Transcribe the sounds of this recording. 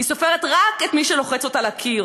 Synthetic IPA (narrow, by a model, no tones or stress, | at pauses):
hisofeʁet̪ʁaket̪miʃelo̞χet͡so̞talakʰiʁ